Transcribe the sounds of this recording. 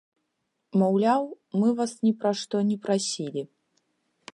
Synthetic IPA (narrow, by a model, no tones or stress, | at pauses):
mawlʲaw | mɨvasnʲɛpɾaʂt̪ɔnʲɛpɾasʲilʲi